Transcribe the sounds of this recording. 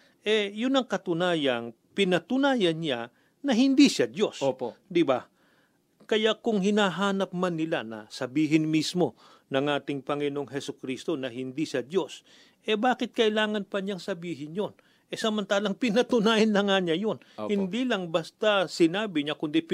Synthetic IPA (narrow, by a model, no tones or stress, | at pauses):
ʔɛjʊnɐŋkɐt̪ʊnaːjɐn | pɪnɐt̪ʊnaːjɐnɲa | nɐhɪnd̪iʃad̪jo̞spd̪ɪba | kɐjakʊŋhɪnaːɦaːnɐp̚manːɪlanɐ̰sɐbiːɦɪnmismo̞ | nɐŋʔaːt̪ɪŋpɐŋɪnoŋɦɛsʊkɾist̪o̞nɐhɪnd̪iʃad̪jo̞s | ʔɛbaːkɪt̪̚kɐʔɪlaːŋɐnpɐɲaŋsɐbiːɦɪnjon | ʔɛsɐmɐnt̪aːlɐŋpɪnɐt̪ʊnaːjɐnlɐŋaɲajonhɪnd̪ilɐŋbɐst̪asɪnaːbɪɲakʊnd̪ip